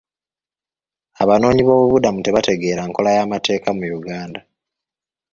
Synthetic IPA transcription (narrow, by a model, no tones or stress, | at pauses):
aβano̞ːɲiβo̞ːβuβudamuteβate̞ɡe̞ːɾaŋko̞lajamate̞ːkamujuɡaːnda